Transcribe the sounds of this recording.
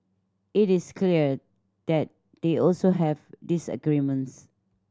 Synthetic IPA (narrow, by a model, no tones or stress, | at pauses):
itiskʰliə | d̥ɛt̚ | d̥eɔlsoɦɛvdisə̰ɡɹimə̃ns